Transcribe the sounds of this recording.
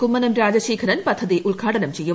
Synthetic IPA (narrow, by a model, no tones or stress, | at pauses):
kumːɐnɐmɾaːd͡ʑɐɕiːkʰɐɾɐnpɐd̪ʱːɐðiʔuɭɡʱaːʈɐnɐmt͡ɕe̞jːu